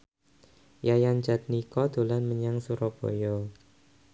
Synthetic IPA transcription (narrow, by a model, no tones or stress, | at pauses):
jajand͡ʒat̪̚nikɔd̪olanməɲaŋsuɾɔb̥o̰jɔ